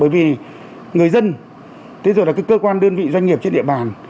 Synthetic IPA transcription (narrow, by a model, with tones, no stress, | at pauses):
ɓəː˨˩jvi˨˩ | ŋɨ˨˩əjzə˧n | t̪ʰi˨˦zo˨˩jla˨˩aː˨˦kəː˧kwaː˧nɗɨ˧ənvḭ˧˨zwa˧jŋ̟ŋi˨˩əp̚t͡ɕe˧nɗḭ˧əɓaː˨˩n